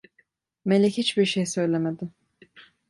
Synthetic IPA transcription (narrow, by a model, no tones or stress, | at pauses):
melʲɛchit͡ʃbiɾʃejsø̞jlʲemed̪ɪ